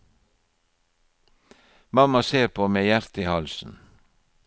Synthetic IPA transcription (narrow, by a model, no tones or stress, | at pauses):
mɑmɑseːɾpʰoːmeːjæɾt̪ɪːhɑlsn̩